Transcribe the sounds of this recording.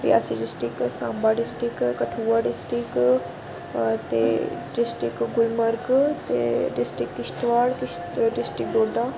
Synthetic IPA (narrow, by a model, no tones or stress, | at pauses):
ḭa̰ːsiɖɪsʈɪksãːmbaɖɪsʈɾɪkkɐʈʰuːaɖɪsʈɾɪk | t̪ḛɖɪsʈɾɪkɡʊlməɾɡt̪ḛɖɪsʈɾɪkːɪʃt̪ʋaːɽkɪ | ɖɪsʈɾɪk̚boːɖa